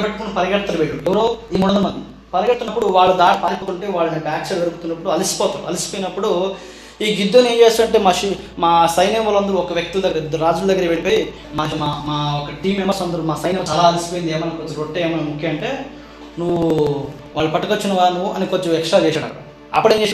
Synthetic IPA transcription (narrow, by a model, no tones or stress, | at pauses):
peʈːɐkunːɐpɐɾɐɡɐʈt̪ːɐɾuʋeɭːuɛʋɐɾoːiːmunɐd̪ɐmɐd̪d̪i | pɐɾɐɡɐɾt̪unːɐpːuɽuʋaːɭːɐd̪aːnipaːlipːuk̪uɳʈeːʋaːɭːɐd̪ɐpaːkt͡ʃɐɾɐɾukut̪unːɐpːuɽuɐlisi̥pɔːt̪uːɾuɐlisi̥poːjinɐpːuɽu | iːɡid̪ːoːneːɲt͡ʃeːst̪uːɐɳʈe̞ːmaːʃi | maːsɐjnemɐlɐnd̪ɐɾuɔkɐʋjek̚t̪uld̪ɐɡɐɾɐid̪ɐɾɾaːd͡ʒuld̪ɐɡːɐɾɐbeɽipoːji | maːaːmaːɔkɐʈiːmeːmɐst̪uɐnd̪ɐɾumaːsɐjnɐmɐt̪ɐlaːɐlisi̥poːind̪eːmɐnakoɲt͡ʃɐɾoʈːeeːmɐnamukʰjɐɐɳʈe̞ː | nuʋu | ʋaːɭːɐpɐʈːɐkot͡ʃːinɐʋaːnuʋuʔɐnikoɲt͡ʃɐmɛksʂʈɾaːt͡ʃɛːʃaːɽɐ̰ | ɐ̰pːɐɽeɲd͡ʒeː